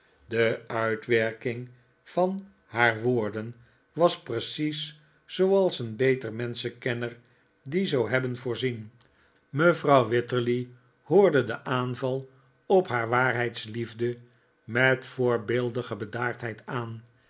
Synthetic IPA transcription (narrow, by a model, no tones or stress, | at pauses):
dəœɥtʋɛɹkɪŋ | v̥ɑn | haːɹʋoːɹdən | ʋɑsprəsis | sowɑlˠsənbejtərmɛnsəkɛnəɹ | dizowɦɛbənvʊːɹzin | məvrɑwʋɪtəɹli | hʊːɹdədəʔaːnvɑlˠ | ɔpɦaːɹʋaːɹɦɛjtslivdə | mɛtfʊːɹbɪlˠdəχəbədaːɹtɦɛjtaːn